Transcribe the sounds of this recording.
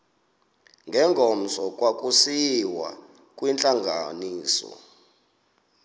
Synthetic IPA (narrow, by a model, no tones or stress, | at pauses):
ŋɡʱɛŋɡʱɔm̩sɔkʼwakʼusiwa̰ | kʼwint͡ɬʼaŋɡʱa̰niːsɔ̰